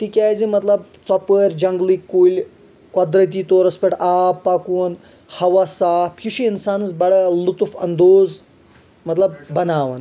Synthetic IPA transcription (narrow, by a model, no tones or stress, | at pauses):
t̪ikʲajd͡zimɐt̪lɐb̚t͡sɔpəɾʲd͡ʑɐŋɡlikːulʲ | kɔd̪ɾət̪̬iːt̪oɾɐspeʈaːpːakuːn | hɐʋasaːpʰuʃiinsaːnt͡sbɐɽəlut̪ufɐ̰nd̪oːz | mɐt̪lɐb̚ːɐnaːʋɐn